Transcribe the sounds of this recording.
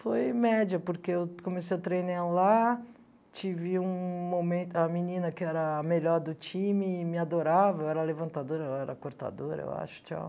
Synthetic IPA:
fojmɛd͡ʒɐpoɾkeewkomesejɐt̪ɾejnala | t͡ʃivɪũmomẽnt̪ʊɐminĩnɐkɪɛɾɐmeʎɔɾd̪ʊt͡ʃĩmɪmɪad̪oɾavɐewɛɾɐlevɐ̃nt̪ad̪oɾɐɛlɐɛɾɐkoɾt̪a̰d̪oɾɐḛwa̰ʃʊ̥t͡ʃa̰w

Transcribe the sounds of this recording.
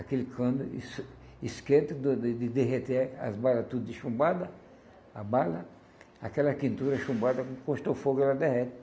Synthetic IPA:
akelɪkʰɐ̃nʊ̰s | iskẽt̪ʊd̪d̪d̪ɪd̪eɦet̪ea̰zbalɐt̪ud̪ʊd̪ɪʃũmbad̪ɐ | abalɐ | akɛlɐpĩnt̪uɾɐʃũmbad̪ɐkõkõʃt̪ofoɡʊɛlɐd̪ɛhɛt̪ɐ̥

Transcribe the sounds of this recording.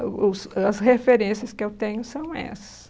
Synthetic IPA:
ʊsɐshefeɾẽsiɐskɪewt̪ẽɲʊsɐ̃w̃ɛ̰sɐ̥s

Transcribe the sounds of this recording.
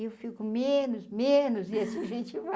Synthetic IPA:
ewfikʊmẽnʊsmẽnʊziɐsuʒẽt͡ʃiva

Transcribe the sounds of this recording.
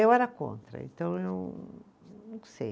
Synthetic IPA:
ewɛɾɐkõ̰nt̪ɾɐ̰ḛ̃nt̪ɐ̃w̃ew | nũw̃sej

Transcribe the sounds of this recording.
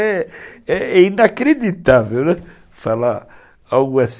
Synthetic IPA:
ɛɛɛinakɾed̪it̪aðeɛ | fala | auɣwɛs

